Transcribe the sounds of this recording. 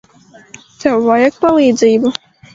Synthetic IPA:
t̪ɛvajɛk̚palʲˠiːd̪zʲiːbu

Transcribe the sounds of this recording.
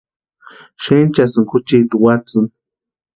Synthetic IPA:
ʃent͡ʃasɨŋkut͡ʃit̪uwat͡sɨn

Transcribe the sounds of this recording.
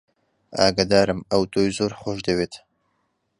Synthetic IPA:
a̰ːɡad̪aːɾɨmɐwt̪ʰoːjzoːɾxoːʃd̪ɐweːt̪

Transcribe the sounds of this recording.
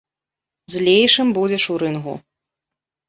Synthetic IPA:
zʲlʲejʂɨmbud͡zʲɛʂuɾɨnɣṵ

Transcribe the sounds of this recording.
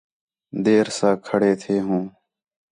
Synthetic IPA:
d̪eːɾsãːkʰəɽeːt̪ʰeːɦũː

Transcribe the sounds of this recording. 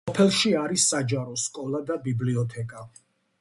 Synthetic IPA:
ɔpʰɛlˠʃiaɾisːad͡ʒaɾɔskʼɔlˠad̪abibliɔt̪ʰɛkʼa

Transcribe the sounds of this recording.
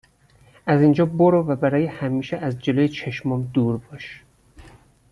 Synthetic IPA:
ʔæzind͡ʒɒːboɾɒːvæbæɾɒːjehæmiːʃeʔæzd͡ʒe̞lojet͡ʃʰeʃmɒːmd̪uːɾbɒʃ

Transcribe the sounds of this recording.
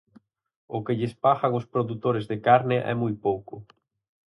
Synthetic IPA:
ʊkɪʎɪspaɣaŋʊspɾoðut̪oɾezðɪkaɾnɪʔɛ̰mujpowkʊ

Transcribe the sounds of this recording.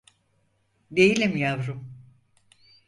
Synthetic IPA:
d̪e̞jilʲimjavɾum

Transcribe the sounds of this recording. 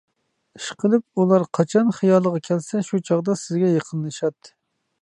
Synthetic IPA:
iʃqʰəlˠɨp̚ulˠɑɾqʰɑt͡ʃʰɑnχijɑlˠəʁɑkʲʰɛlsɛʃut͡ʃʰɑʁd̪ɑsɪzɡʲɛjəqʰənlˠɨʃɑt̪

